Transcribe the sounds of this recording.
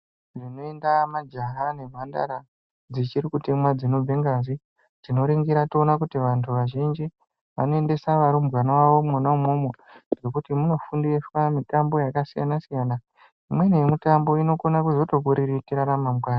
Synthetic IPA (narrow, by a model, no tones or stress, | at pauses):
ndino̞e̞ndamad͡ʒaɦane̞vʱanda̰ɾa | d͡zit͡ʃiɾikute̞mwad͡zino̞b͡veŋɡazi | tino̞ɾeŋɡiɾatoonakutiʋantʰuʋaʒind͡ʒi | ʋa̰no̞e̞nde̞saʋaɾumɡwanawaʋo̞manaumomoɡe̞kutimuno̞fundieswamitambo̞jakasija̰nasijana | imwe̞nejemitambo̞ino̞konakuzo̞to̞k̬uɾiɾitiɾaɾamamɡwaːna